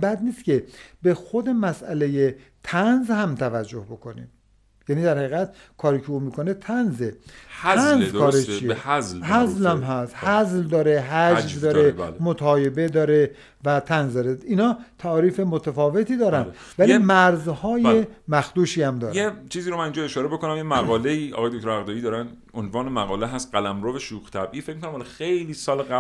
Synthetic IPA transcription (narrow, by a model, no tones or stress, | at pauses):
bæd̪niːst̪cʰebe̞xo̞d̪e̞mæsʔæle̞jet̪ʰænzhæmt̪ʰævæd͡ʒːohbo̞kʰo̞nḭːm | jæːniːd̪æɾhæiɣæt̪ | kʰɒːɾiːcʰeuːmiːkʰone̞t̪ʰænzehʰænzzkʰɒːɾet͡ʃʰijezlhæzlæmɦæst̪hæzld̪ɒːɾe̞ɦæd͡ʒvd̪ɒːɾelmot̪ʰɒːje̞be̞d̪ɒːɾe | væt̪ʰænzd̪ɒːɾeinhɒːt̪ʰæːɾiːfemot̪ʰæfɒːve̞t̪ʰiːd̪ɒːɾænd̪ | vælimæɾzhɒːjemæxd̪uːʃiːæmd̪ɒːɾet͡ʃʰiːziːɾomæniːnd͡ʒɒeʃɒːɾebo̞konæmjemæɣɒːleiːɒ̰ɣɒjd̪okt̪oɾæɣd̪ɒːjid̪ɒːɾæn | onvɒːnemæɣɒːleɦæst̪̚ɢælæmɾoveʃuɣt̪ʰæbʔiːfekmikʰonæmhɒlɒxe̞jliːsɒːleɡæ